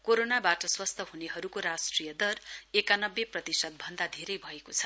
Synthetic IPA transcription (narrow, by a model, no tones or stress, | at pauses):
koɾonabaʈʌswʌst̪ʰʌɦuneɦʌɾukoɾasʈrijʌd̪ʌrekanʌbːeprʌt̪isʌd̪̚bʱʌnd̪ad̪ʱeɾʌjbʱʌekot͡sʰʌ̥